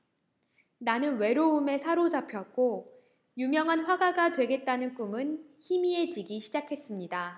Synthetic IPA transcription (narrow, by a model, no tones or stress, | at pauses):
nanɯnwe̞ɾoume̞sʰaɾod͡ʑapʰjʌk̚k͈o | jumjʌŋɦanɸwaɡaɡadwe̞ɡe̞t̚t͈anɯnk͈umɯnçimie̞t͡ɕiɡiɕʰid͡ʑakʰe̞s͈ɯmɲida